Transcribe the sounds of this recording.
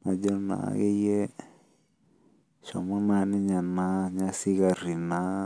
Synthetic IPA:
na˨d͡ʒɔ˦na̰˨˦ɡe˦je˦ | ʃo̰˨mo˦na˧ni˦ɲa˨na˦ɲa˦si˦ɡa˧ɾi˨na˦

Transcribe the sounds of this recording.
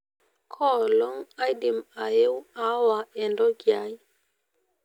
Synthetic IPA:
kʰɔ˦˨lɔ˦ŋa˦jdi˨ma˨je˦wa˨˦wa˨ɛ˨ndɔ˦ɡja˦i˦

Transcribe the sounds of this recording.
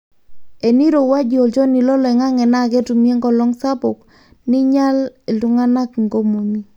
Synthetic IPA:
e˨ni˦ɾo˨wa˦d͡ʒo˨ld͡ʒɔ˦ni˨lɔ˦lɛ˨ŋa˦ŋɛ˨na˦˨kɛ˦tu˨mi˦e˦ŋɡɔ˨lɔ˦ŋsa˦bʊ˨k | nɪ˦ɲa˦le˨ltu˦ŋa˦na˦kŋɡo˦mo˨mi˦

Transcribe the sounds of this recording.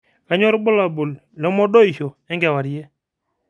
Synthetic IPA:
ka˨˦ɲɔ˦ɾbʊ˦la˨bʊ˨l | lɛ˦mɔ˦ɗo˦i˨ʃo˨ | ɛ˦ŋɡɛ˨wa˨ɾje˦

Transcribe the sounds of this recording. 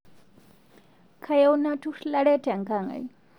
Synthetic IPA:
kʰajauna˦tʰu˦ʂlaɺɛ˦tʰɛa˨ŋka˨ŋa̰˨j

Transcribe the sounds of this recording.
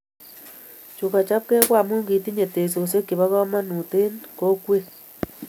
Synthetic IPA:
t͡ʃu˨ka˨t͡ʃa˦p̚kɛ˦kwa˦˨mu˦ŋɡi˨ti˦ɲe˨te˨s̬o˨s̬e˦ki˨βa˦ɣɔ˦ma˦nu˨te˦nko˦kwe˦

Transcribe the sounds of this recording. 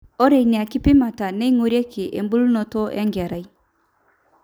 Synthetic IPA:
ɔ˦ɾe˨jni˨a˨ki˦pi˦ma˨ta˨ne˦ŋo˨ɾje˦ki˨ʔe˨mbu˦lno˨to˦ʔḛ˦ŋɡe˨ɾa˨j

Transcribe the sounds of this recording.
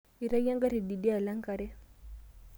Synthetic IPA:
i˨ɾa˦ja˦ŋɡa˦ɾi˨di˨di˦a˨la˦ŋka˨ɾɛ˦

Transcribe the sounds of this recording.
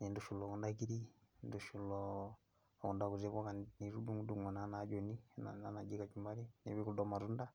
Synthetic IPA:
ni˨ndu˨ʃu˨lɔ˨ku˨nda˦ki˦ɾi˦nduʃu˨lɔ˨ | kɔ˨nda˨ku˨ze˦βɔ˦ka˨nni˨ɾu˦du˦ŋɡu˦du˨ŋwa˨na˨˦na˦d͡ʒɔ˨ni˦na̰nana˨d͡ʒi˦ka˨t͡ʃumba˦ɾi˦ne˨βi˦ku˦dɔ˦ma˨ɾu˦nda˦

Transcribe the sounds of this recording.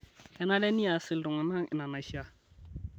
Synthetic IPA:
kɛ˦na˦lɛ˦ni˦a˨sɪ˨l̩˨dʊ˨ŋa˨na˦ŋɪ̰˨na˨na˨ʃa˦

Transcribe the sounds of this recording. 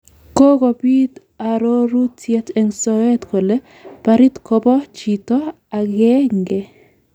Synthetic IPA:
ko˦ɡo˨pi˦t̪ | a˨ɾo˦ɾu˦tjɛ˦tɛ˨ŋsɔɛ˦t̪ko˨le˦ | paɾi˦t̪ko˦bɔ˦t͡ʃitɔ˦ | a˨ɡɛ˦ŋɡe˦

